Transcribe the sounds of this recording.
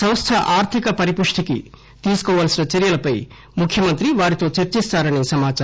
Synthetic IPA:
sɐwst̪ʰɐʔaːɾt̪ʰikɐpɐɾipuʂʈikḭ | t̪iːsu̥kɔːʋaːlsinɐt͡ʃɐɾjɐlɐpɐj | mukʰjɐmɐnt̪ɾiʋaːɾit̪o̞ːt͡ʃɐɾt͡ʃist̪aːɾɐnisɐmaːt͡ʃa

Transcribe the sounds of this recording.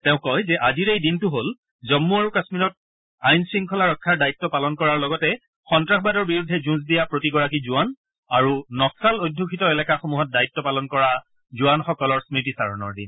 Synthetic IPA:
tɛʊ̃kːɔjzɛʔaziɹejdintʊɦol | zɔmːuaɹukasmiɹɔt̚ | ajnsɹiŋkʰɔlaɹɔkʰːaɹdajitːɔpalɔnkɔɹaɹlɔɡɔtɛ | xɔntɹaxbadɔɹbiɹudʱːɛzũz̬dijapɹotiɡɔɹakizʊan | aɹunɔksalojdʱːukʰitɔelɛkaxomuɦɔt̚dajtːɔpalɔnkɔɹa | zuanxɔkɔlɔɹsmitisa̰ɹɔ̰nɔ̰ɹdḭn

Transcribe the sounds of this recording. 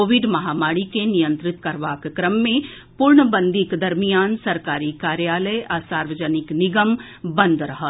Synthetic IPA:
oːʋɪɖmɐɦaːmaːɽikenijə̃nt̪ɾɪt̪kɐɾʋaːkkɾəmːẽ | puɾɳəbə̃nd̪ʱɪkd̪ɐɾmijaːnsɐɾkaːɾikaːɾjaːləjʔɐsaːɾʋəd͡ʒənɪknɪɡəm | bə̃nd̪ɾɐɦət̪

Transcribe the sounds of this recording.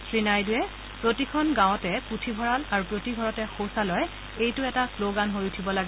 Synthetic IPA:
sɹinajdʊjɛ | pɹotikʰɔnɡãwɔtɛputʰibʱɔɹalaɹupɹotiɡʱɔɹɔtɛxowsalɔj | ejtʊɛtasloɡanɦojutʰibɔlaɡɛ

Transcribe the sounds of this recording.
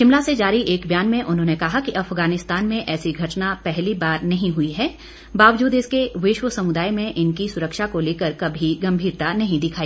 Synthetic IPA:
ʃɪ̃mlased͡ʒaːɾiʔeːkbjaːnmẽʔʊnɦõːnekɐɦakiʔɐfɣaːnɪst̪aːnmẽʔɛːsiɡʱɐʈnapɛɦlibaːɾnɐɦĩɦʊiɦɛː | baːʋd͡ʒuːd̪ɪskeʋɪʃwəsɐmʊd̪aːjmẽʔɪnkisʊɾəkʃakoleːkəɾkɐbʱiɡɐ̃mbʱiːɾt̪anɐɦĩd̪ɪkʰaːiː

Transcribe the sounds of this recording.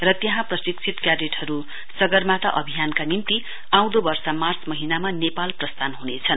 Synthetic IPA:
rʌt̪jʌɦãprʌsiksʰit̪kjareʈhʌɾu | sʌɡʌrmat̪ʌʔʌbʱijankanimt̪i | ãw̃d̪obʌrsamart͡smʌɦinamanepalprʌst̪ʰanɦunet͡sʰʌn

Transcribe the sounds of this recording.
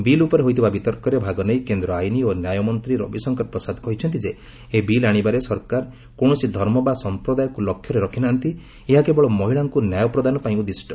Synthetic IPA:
bilupɔɾeɦojt̪ʰibabit̪ɔɾkɔɾebʱaɡɔnejkend̪ɾɔajnionjajɔmɔnt̪ɾiɾɔ̰bisɔŋkɔɾ̚pɾɔsad̪kɔɦit͡ʃʰɔnt̪id͡ʒeː | bilaɽ̃ibaɾesɔɾkaɾ | koɽ̃ɔsid̪ʱɔɾmɔbasɔmpɾɔd̪ajɔkulɔkʰjɔɾeɾɔkʰinaːnt̪i | eɦakebɔɭɔmɔɦiɭaŋkunjajɔpɾɔd̪anɔpaĩkud̪isʈɔ̥

